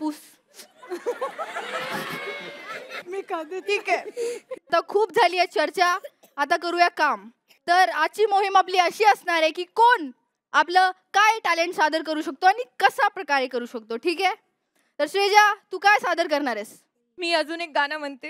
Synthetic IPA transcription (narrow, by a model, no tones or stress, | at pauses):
pus | mikad̪ʈiːkɛat̪akʰuːpd͡zʱaliːet͡ɕəɾt͡ɕaː | t̪akəɾuːjakam | t̪əɾat͡ɕiːmoɦimapliːəɕiːəsɳaɾekiːkoɳ | apləːkajʈæleɳʈsad̪əɾkəɾuːɕək̚t̪oaɽ̃ikəsapɾəkaɾekəɾuːɕəkt̪oʈʰiːke | t̪əɾɕʋed͡ʑat̪uːkajsad̪əɾkəɾɳaɾes | miːəd͡zuːnek̚ɡanam̤əɳt̪e